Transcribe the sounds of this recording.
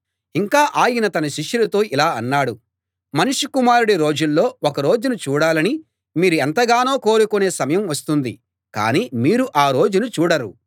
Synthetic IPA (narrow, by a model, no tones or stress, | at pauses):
iŋkaːʔaːjinɐt̪ɐnɐʃiʂjuɾut̪o̞ːʔilaːɐnːaːɽu | mɐnuʂukumaːɾuɽiɾo̞ːd͡ʒulːo̞ːɔkɐɾo̞ːd͡ʒunut͡ʃuːɽaːlɐni | miːɾuɛnt̪ɐɡaːnoːko̞ːɾukune̞ːsɐmɐjɐmʋɐst̪und̪i | ka̰ːniːmiːɾuʔaːɾo̞ːd͡ʒunut͡ʃuːɽɐɾu